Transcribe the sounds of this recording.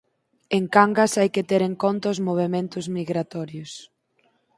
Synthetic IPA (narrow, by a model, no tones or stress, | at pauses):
eŋkaŋɡɐsajkɪt̪eɾeŋkɔnt̪ɐʊzmoβ̞emẽnt̪ʊzmiɣɾat̪ɔɾjʊs